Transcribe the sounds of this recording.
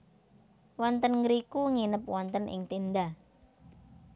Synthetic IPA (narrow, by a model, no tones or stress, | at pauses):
wɔnt̪ənŋɡəɾikuŋinəpwɔnt̪ənʔɪ̰ŋt̪end̪ah